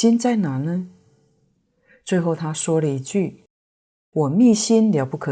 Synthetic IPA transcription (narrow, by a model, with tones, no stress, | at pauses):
i˥nt͡sa˥˩ɪna˨˩˦nə˧˦ | t͡swe˥˧ɪxo˥˩ʊt̪ʰa˥ʂwɔ˥lə˨i˧˥t͡ɕy˥˩ | wɔ˨˩mi˥˧ɕi˥nljɑ˧˥ʊpu˥˩kʰɤ˨˩